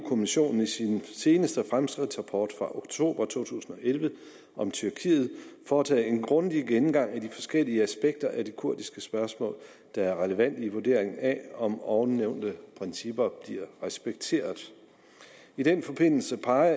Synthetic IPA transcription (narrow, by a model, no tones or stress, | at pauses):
ukʰo̝miɕo̝̰ːnn̩isinse̝ːnəsd̥əfʁamsɡ̥ʁid̥sʁɑpʰɒ̰ːd̥fʁɑ̈ʔo̝ɡ̥̚t͡sʰo̝̰ːb̥ɐt͡sʰo̝̰ːt͡sʰṵːsn̩ɒ̽ʔelʋə | ʔɒ̽mt͡sʰyɐkʰḭːð̩ˠfɒːt͡sʰɛ̰ːe̝nɡ̥ʁɔ̽nd̥iɡ̥enm̩ɡ̥ɑ̈ŋ̰æd̥ifɒ̽sɡ̥el̰iəæsb̥eɡ̥̚d̥ɐʔæd̥ikʰuɐ̰d̥isɡ̥əsb̥ɶɐsmɔ̰̽ːl | d̥ɑ̈æɐʁɛləʋæn̰d̥iʋuɐd̥e̝̰ɐ̰eŋn̩æɒ̽mɒʊneʊ̰nd̥əpʰʁɛnsib̥ɐb̥liɐʁɛsb̥eɡ̥̚t͡sʰe̝̰ːɐð̩ˠ | id̥enfɒ̽b̥e̝n̰l̩səpʰɑ̈ɪɐ